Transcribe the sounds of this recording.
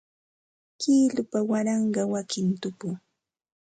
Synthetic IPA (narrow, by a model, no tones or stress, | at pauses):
kiːlʊpawaɾɑɴɢɑwakɪnt̪ʊpʊ